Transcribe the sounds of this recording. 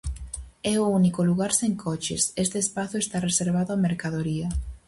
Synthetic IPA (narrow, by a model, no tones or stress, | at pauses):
ɛounikoluɣaɾseŋkʰɔt͡ʃḛsest̪eːspaθʊest̪areseɾβ̞aðʊameɾkað̞oɾiɐ